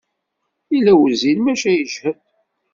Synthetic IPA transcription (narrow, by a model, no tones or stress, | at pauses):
ilːæwəzilmæʃæjəʒhəð